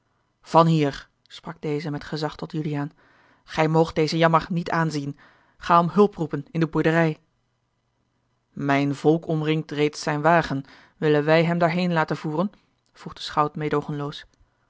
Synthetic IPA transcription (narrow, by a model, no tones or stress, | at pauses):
v̥ɑnɦiːɹ | sprɑɡ̚dejzəmɛtχəzɑχtɔtjyliaːn | χɛjmowχt̚d̥ejzəjɑməɹnitʰaːnzin | χaːɔmɦɵlˠprupənɪndəbuɹdərɛj | mɛjnvɔlˠkʰɔmrɪŋk̚trejtsɛjnʋaːχən | ʋɪlənʋɛjɦɛmdaːɹɦejnlaːtənv̥uːrən | v̥ruχdəsχɑwtmeːdowχənlows